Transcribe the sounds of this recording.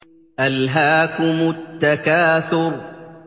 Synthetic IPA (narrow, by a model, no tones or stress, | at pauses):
ʔalɦaːkʊmʊt̪ːakaːθʊɾ